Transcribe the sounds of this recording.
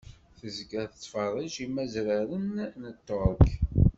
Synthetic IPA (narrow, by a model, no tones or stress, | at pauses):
θəzɡæθət͡sːfɑrˤːiʒimːæzɾəɾənnət̪ːoɾˤək